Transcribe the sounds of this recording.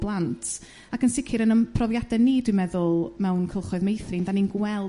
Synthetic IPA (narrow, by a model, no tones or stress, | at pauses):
blˠantʰ | akənsɪkʰɨɾənəpʰrɔvjadɛniːdwɪmɛðʊlˠmɛwnkʰəlˠχɔɨðmejθrɪndaninɡwɛlˠ